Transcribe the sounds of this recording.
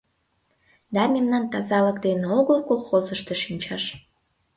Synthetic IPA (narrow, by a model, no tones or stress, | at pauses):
d̪ɑmemnɑnt̪ɑzɑləkd̪eneoɣəlkokːolzəʃt̪eʃinʲt͡ɕɑʃ